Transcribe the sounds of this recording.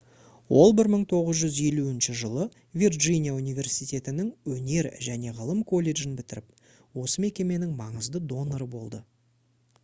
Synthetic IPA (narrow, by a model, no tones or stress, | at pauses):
wo̞lˠbɪɾməɴt̪ʰo̞ʁəzʒʏzje̞luɪnʃɪʒəlˠə | vʲirʒijnijaunijvʲe̞rsijt̪ʲe̞t̪ɪnɪŋwɵne̞ɾʒæne̞ʁəlˠəmkʰo̞lʲːe̞ʒɪnbɪt̪ɪɾɪp | wo̞səme̞kʲe̞me̞nɪŋmɑɴəzd̪əd̪o̞noɾəbo̞lˠd̪ə